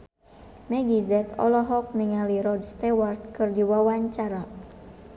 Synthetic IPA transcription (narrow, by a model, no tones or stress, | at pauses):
mɛɡizɛt̪ɔ̰lɔɦɔk̚niŋaliɾɔdst̪ɛwart̪̚kɨrdiwawaɲt͡ʃaɾa